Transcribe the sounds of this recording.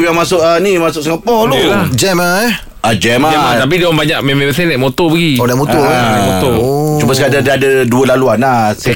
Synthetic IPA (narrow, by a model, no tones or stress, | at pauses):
jaŋmasʊʔənimasʊʔsəŋapɔlulad͡ʒɛma | ad͡ʒɛmaɛmat̪ap̬idiwŋbaɲaʔmemẽəs̬ɛnɛʔmot̪ɔbəɡiodamot̪omot̪ɔt͡ʃumbəsəkad͡ʒadadəduəlaluanas